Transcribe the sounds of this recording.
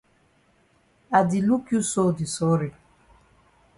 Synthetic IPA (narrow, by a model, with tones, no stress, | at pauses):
a˨di˨lu˦kju˦so˦˨di˨sɔ˨˦ɾɪ˨